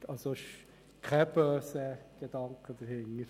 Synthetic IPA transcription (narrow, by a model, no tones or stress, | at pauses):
ɑsoɪʃ | kʰɛb̥œːsəɡ̥ed̥ɑŋkʰəd̥̪əɾhɪŋəɾ